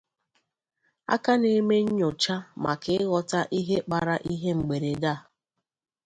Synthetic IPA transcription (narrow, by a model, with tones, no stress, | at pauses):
a̰˦ka˦ne˦me˦ɲ̩˦ɲo˨t͡ʃa˦ma̰˨kɪ˦ɪ˦ɣɔ˨ta˦ʔi˦ɦe˦k͡pa˨ɾa˦ʔi˦ɦe˦ŋ͡m̩˨ɡ͡be˨ɾe˨ɡa˦˨